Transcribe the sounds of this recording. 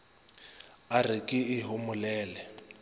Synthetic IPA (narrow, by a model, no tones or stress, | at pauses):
arikʼɪɪɦʊmʊlɛːlɛ